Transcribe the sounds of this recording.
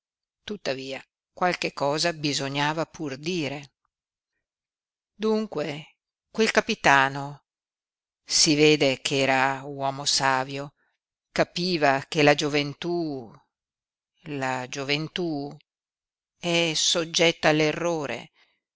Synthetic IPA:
t̪ut̪ːaviːa | kwalkekːɔːzabizoɲaːvapurd̪iːɾe | d̪uŋkwe | kwelkapit̪aːno | siveːd̪ekʰɛːɾawɔːmosaːvjo | kapiːvakelad͡ʒovent̪u | lad͡ʒovent̪u | ɛsod͡ʒːɛt̪ːaːlːerːoːɾḛ

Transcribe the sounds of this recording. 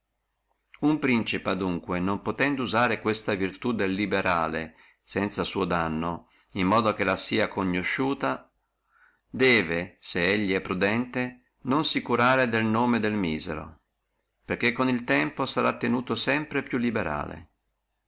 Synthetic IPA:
umpɾint͡ʃipad̪uŋkwenompot̪ɛnd̪uzaːɾekwest̪avirt̪ud̪elːibeɾaːlḛ | sɛnt̪sasuːod̪anːo | imːɔːd̪ok̟elasiːakoɲːoʃːuːt̪a | d̪ɛːveseeʎːiɛpːɾud̪ɛnt̪e | nonsikuɾaːɾed̪elnoːmed̪elmiːzḛɾo̰ | perk̟ːekːonilt̪ɛmposaɾat̪ːenuːt̪osɛmpɾepjulːibeɾa̰ːlḛ

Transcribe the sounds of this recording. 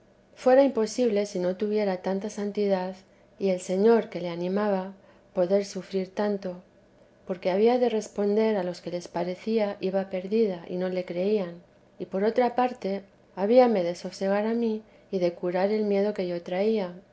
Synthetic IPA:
fwe̞ɾaimpo̞siβle̞sino̞t̪uβje̞ɾat̪ant̪asant̪iðað | ie̞lse̞ɲo̞ɾke̞le̞anĩmaβa | po̞ðe̞ɾsufɾiɾt̪ant̪o̞ | po̞ɾke̞aβiaðe̞re̞spo̞nd̪e̞ɾalo̞ske̞le̞spaɾe̞θiaʔiβape̞ɾðiðaʔḭno̞le̞kɾe̞ian | ipo̞ɾo̞t̪ɾapaɾt̪e̞ | aβiame̞ðe̞so̞fse̞ɣ̞aɾamiː | ðe̞kuɾaɾe̞lmje̞ð̞o̞ke̞ʝo̞t̪ɾaia

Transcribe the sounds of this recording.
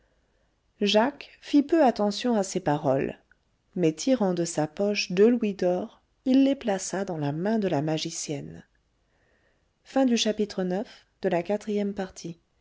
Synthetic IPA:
ʒakfipøat̪ɑ̃sjɔ̃asepaʁɔl | mɛt̪ʰiʁɑ̃d̪əsapɔʃd̪əlwid̪ɔʁ | ilːeplasad̪ɑ̃lamɛ̃d̪əlamaʒisjɛn | fɛ̃d̪yʃapit̪χənœf | d̪̥əlakat̪χijɛmpaʁt̪ʰi

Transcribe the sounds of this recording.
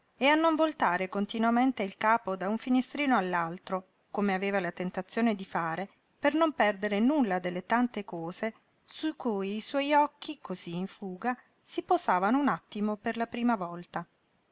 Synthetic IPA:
eanːoɱvolt̪aːɾekont̪inwament̪eilkaːpod̪auɱfinest̪ɾiːnoalːalt̪ɾo | komeaveːvalat̪ent̪at̪sːjoːned̪ifaːɾe | pernompɛrd̪eɾenulːad̪elːet̪ant̪ekɔːze | suikuːjːswɔjɔkːikoziːɱfuːɡa | sipozaːvanounat̪ːimoperlapɾiːmavɔlt̪a

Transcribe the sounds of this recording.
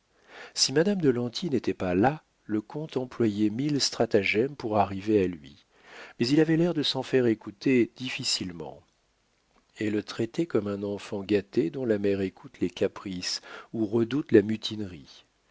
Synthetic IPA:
simad̪amd̪əlɑ̃t̪ʰinet̪ɛpala | ləkɔ̃t̪ɑ̃plwajɛmilst̪χat̪aʒɛmpuʁaʁivealɥḭ | mɛzilavɛlɛʁd̪əsɑ̃fɛʁekut̪ed̪̥ifisilmɑ̰̃ | ɛlət̪χɛt̪ɛkɔmɛ̃nɑ̃fɑ̃ɡat̪ed̪ɔ̃lamɛʁekʰut̪lekapχisuʁəd̪ut̪lamyt̪ʰinʁi

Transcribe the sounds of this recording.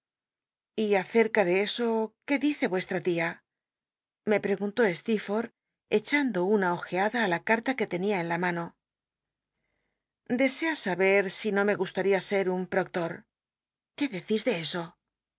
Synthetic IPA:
iaθe̞ɾkaðe̞e̞so̞ke̞ðiθe̞βwe̞st̪ɾat̪ia | me̞pɾe̞ɣunt̪o̞e̞st̪ifo̞ɾ | e̞t͡ʃand̪o̞unao̞xe̞aðaːlakaɾt̪ake̞t̪e̞niaenlamano̞ | d̪e̞se̞asaβe̞ɾsino̞me̞ɣust̪aɾiase̞ɾumpɾo̞k̚t̪o̞ɾ | ke̞ðe̞θizðe̞e̞so̞

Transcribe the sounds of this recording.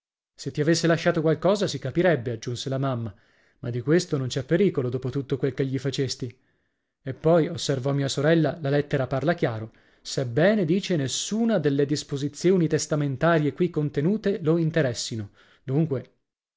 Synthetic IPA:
set̪ːiavesːelaʃːaːt̪okwalkɔːzasikapiɾɛbːead͡ʒːunselamamːa | mad̪ːikwest̪onont͡ʃɛpːeɾiːkolod̪oːpot̪ut̪ːokwelkeʎːifat͡ʃest̪i | epːɔjosːervɔmːiːasoɾɛlːalalɛt̪ːeɾaparlak̟jaːɾo | sebːɛːned̪iːt͡ʃenesːuːnad̪elːed̪ispozit̪sjoːnit̪est̪ament̪aːɾjekwikːont̪enuːt̪eloint̪eɾɛsːino | d̪uŋkwe

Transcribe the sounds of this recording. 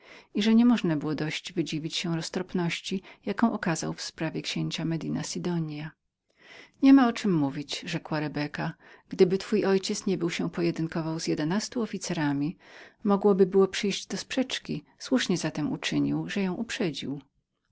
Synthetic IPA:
iʐɛɲɛmɔʐnabɘwɔd̪ɔɕd͡ʑvɘd͡ʑivʲit͡ɕɕɛ̃ɾɔst̪ɾɔpnɔɕt͡ɕijakɔ̃w̃ʔɔkaza̰wfspɾavʲjɛkɕeɲt͡ɕamɛd̪inasʲid̪ɔɲja | ɲɛmaɔt͡ʂɘmːuvʲit͡ɕʐɛkwaɾɛbɛkaɡ̥d̪ɘbɘt̪fujʔɔjt͡ɕɛt̪sɲɛbɘwɕɛpɔjɛd̪ɘnkɔvawzjɛd̪ɛnast̪uɔfʲit̪sɛɾamʲimɔɡwɔbɘbɘwɔpʂɘjʑd͡ʑd̪ɔspʂɛt͡ʂkʲi | swuʂɲɛzat̪ɛmṵt͡ʂɘɲiwʐɛjɔ̃w̃ʔupʂɛd͡ʑiw

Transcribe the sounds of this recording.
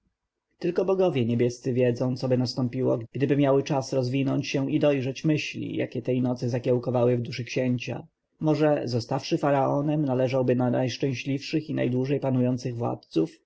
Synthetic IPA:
t̪ɘlkɔbɔɡɔvʲjɛɲebʲjɛst̪sɘvʲjɛd̪zɔ̃w̃t̪sɔbɘnast̪ɔmpʲiwɔ̰ɡɡ̥d̪ɘbɘmʲjawɘt͡ʂasɾɔzvʲinɔɲt͡ɕɕɛʔid̪ɔjʐɛt͡ɕmɘɕlʲḭja̰kʲɛt̪ɛjnɔt̪sɘzakʲɛwkɔvawɘvd̪uʂɘkɕeɲt͡ɕa̰ | mɔʐɛzɔst̪afʂɘfaɾaɔnɛmnalɛʐawbɘnanajʂt͡ʂɛ̃w̃ɕlʲifʂɘxina̰jd̪wuʐɛjpanujɔnt̪sɘɣvwa̰t̪̚suf

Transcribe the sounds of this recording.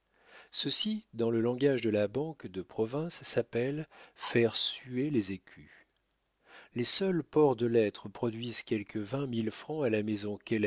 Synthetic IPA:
səsid̪ɑ̃ləlɑ̃ɡaʒd̪əlabɑ̃kd̪əpχɔvɛ̃sːapɛlfɛʁsyelezekʲʰy | lesœlpɔʁd̪əlɛt̪χəpχɔd̪ɥizkʲɛlkʰəvɛ̃milfχɑ̃alamezɔ̃kʲɛlɛ

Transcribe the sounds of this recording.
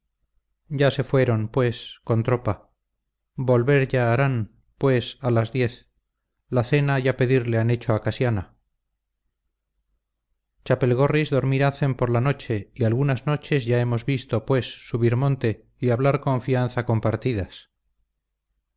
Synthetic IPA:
ɟ͡ʝase̞fwe̞ɾo̞npwe̞sko̞nt̪ɾo̞pa | bo̞lβe̞ɾʝaːɾan | pwe̞salazðje̞θ | laθe̞naʝape̞ðiɾleane̞t͡ʃoakasjana | t͡ʃape̞lɣo̞rizðo̞ɾmiɾaθe̞mpo̞ɾlano̞t͡ʃe̞ialɣunazno̞t͡ʃe̞zʝae̞mo̞zβist̪o̞pwe̞sːuβiɾmõ̞nt̪e̞ | iaβlaɾko̞ɱfianθako̞mpaɾt̪iðas

